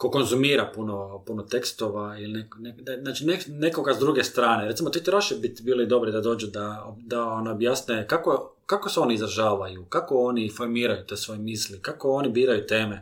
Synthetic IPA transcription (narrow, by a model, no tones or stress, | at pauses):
koko̞nzumiːɾapunopunot̪e̞kst̪o̞ʋailineknek̪naːt͡ʃinene̞ko̞ɡazd̪ɾuɡe̞st̪ɾaːneɾt̪simot̪et͡ʃeɾaʃebit̪biːloid̪o̞bɾid̪ad̪o̞ːd͡ʒud̪aod̪aonajobjaːsnekako | kakoseo̞niizɾaʒaːʋajukako̞onifo̞ɾmiːɾajut̪eːsʋo̞jemiːslikako̞o̞nibiːɾajut̪e̞ːme